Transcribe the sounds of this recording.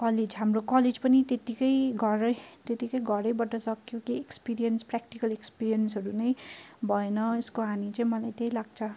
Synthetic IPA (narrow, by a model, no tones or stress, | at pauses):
kʌled͡zɦamrokʌled͡zpʌnit̪et̪ikʌjɡʱʌɾʌjt̪et̪ikʌjɡʱʌɾʌjbʌʈʌsʌkjokiekspiɾiʌnsprak̚ʈikʌlekspiɾijʌnsɦʌɾunʌjbʱʌenʌeskoɦanit͡saĩmʌlajt̪ejlaɡ̚t͡sʰʌ